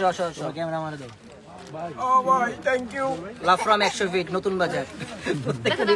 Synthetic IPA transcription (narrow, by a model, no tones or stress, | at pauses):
ɔʃɔʃɔkɛmeɾamaɾed̪ɔ | obajt̪ʰɛŋkjulavfɾɔmɛkʃobiʈnot̪unbad͡ʑaɾot̪ːekːed̪